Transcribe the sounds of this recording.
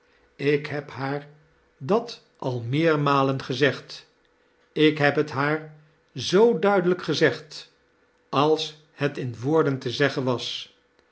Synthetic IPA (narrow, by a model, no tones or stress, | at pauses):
ɪkɦɛpɦaːɹ | dɑt | ʔɑlˠmɪːɹmaːlənχəzɛχt | ɪkɦɛpɦətɦaːɹ | zowdœɥdələkχəzɛχt | ɑlˠs | hətɪnʋʊːɹdəntəzɛχənʋɑs